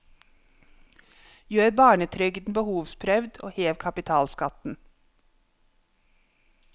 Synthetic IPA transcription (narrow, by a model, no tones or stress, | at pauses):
jøːɾbɑːɳət̪ʰɾʏɡd̪n̩bəhuːʋspʰɾœʋd̪o̰ːheːʋkʰɑpɪt̪ʰɑːlskɑt̪n̩